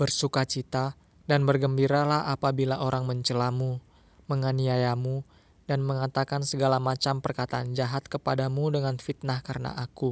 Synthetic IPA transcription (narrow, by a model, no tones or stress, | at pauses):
bərsukat͡ʃit̪a | danbərɡəmbiɾalahapabilaʔoɾaŋməɲt͡ʃəlamu | məŋaniajamu | danməŋat̪akansəɡalamat͡ʃampərkat̪aːnd͡ʒaɦat̪̚kəpadamudəŋanfit̪̚nahkaɾəna̰ʔaku